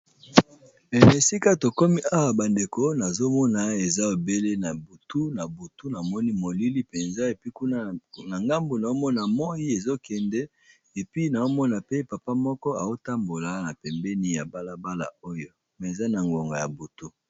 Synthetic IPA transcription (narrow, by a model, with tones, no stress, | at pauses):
e˨ne˨si˦ka˦to˨kɔ˦mi˦ʔa˦wa˨ba˨nde˨ko˦na˨zo˦mɔ˦na˨e˨za˦o˨be˦le˦na˨bu˨tu˦na˨bu˨tu˦na˨mɔ˦ni˦mo˨li˦li˦pe˨nza˦e˨pi˦ku˦na˦na˨ŋɡa˦mbo˨na˨o˦mɔ˦na˨mɔ˦ji˦e˨zo˦kɛ˨ndɛ˦ | e˨pi˦na˨o˦mɔ˦na˨pe˦pa˨pa˦mɔ˦kɔ˦a˨o˦ta˦mbo˨la˨na˨pɛ˨mbɛ˦ni˦ja˨ba˦la˦ba˦la̰˨o˦jo˦ | mɛ˨e˨za˦na˨ŋɡo˨ŋɡa˨ja˨bu˨tu˦